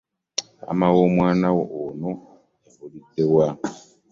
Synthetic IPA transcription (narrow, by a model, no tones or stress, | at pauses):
a̰mawomwaːnawoʔono | aolitewa